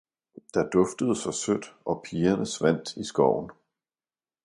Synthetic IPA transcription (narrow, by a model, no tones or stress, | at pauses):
d̥ɑ̈d̥ɔ̽fd̥əð̞ˠsɑ̈ɪsød̥ɒ̽pʰiːɐnəsʋæn̰d̥isɡ̥ɒʊ̰n̩